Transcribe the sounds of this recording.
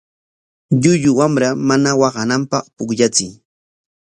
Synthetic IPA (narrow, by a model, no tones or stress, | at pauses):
ʎʊʎʊwamɾamanawɑɢɑnampɑχpʊkʎat͡sɪj